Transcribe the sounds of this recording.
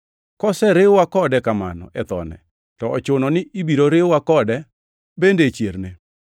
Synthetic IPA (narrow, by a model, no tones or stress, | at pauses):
kɔsɛɾɪwakɔdɛkama̰nɔ̰ʔɛt̪ɔ̰nɛ̰ | tɔɔt͡ʃʊnɔnɪʔibiɾoɾɪwakɔdɛ | bendet͡ʃjeɾne